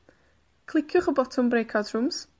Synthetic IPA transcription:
kʰlˠɪkʰjʊχəbɔtʰɔmbrejkʰadrʊms

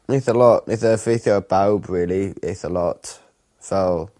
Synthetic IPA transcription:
ɪθəlɔʔɪθəfiˑθəb̥aʊbɹɪəliɪθəlɔt | so

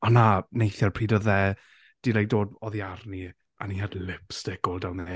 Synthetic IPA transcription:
ɔnanejθjɔrpʰr̥iːdɔðɛ | d̥ilˠajk̚d̥oːdɔðiarni | ʔa̰nihadlɪpsd̥ɪɡʊlˠdawnɛ

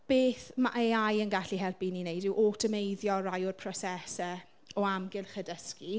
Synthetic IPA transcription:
b̥eːθmaʔeajənɡaɬiɦɛlˠpininejdɪwʔɔtʰəmejðjɔrajʊrpʰrɔsɛsɛ | ɔamɡɪlˠχədəski

